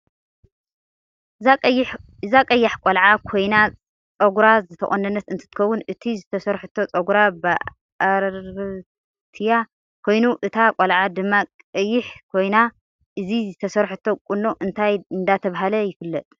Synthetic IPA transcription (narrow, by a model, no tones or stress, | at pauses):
ɨzakʼɐjːaħkʼolʕakʰo̞jna | t͡sʼɐɡɾazɨt̪ʰɐ̰χʼonːɐnːɐt̪ɨnt̪ʰɨ̥t̪ɨ̥kʰɐwːʊnɨt̪ʰizɨt̪ʰɐsɐɾħut̪ʰːo̞t͡sʼɐɡɾaba | aɾɾ | t̪ʰija | kʰo̞jnuʔɨt̪ʰakʼolʕad̪ɨmːakʼɨjːɪħkʰo̞jna | ʔɨzizɨt̪ʰɐsɐɾħɨt̪ʰːo̞kʼunːoʔɨnt̪ʰajɨnd̪at̪ʰɐβaɦalɐjɪfɨlːɐt̪ʼ